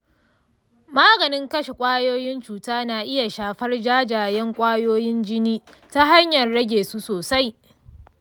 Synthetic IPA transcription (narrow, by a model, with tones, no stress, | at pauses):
maː˦ɡɐ˨nɪ˦ŋkɐ˦ʃe˨kʷʼaː˦joː˦jɪ˦nt͡ʃuː˨taː˦naː˨ʔɪ˦ja˨ʃaː˨ɸɐ˦rd͡ʒaː˦d͡ʒaː˨jɛ˦ŋkʷʼaː˦joː˦jɪ˦nd͡ʒɪ˦niː˦ | ta˦ɦa˦ɲjɐ˨rɽɐ˦ɡʲeː˨su˦soː˨sa˦j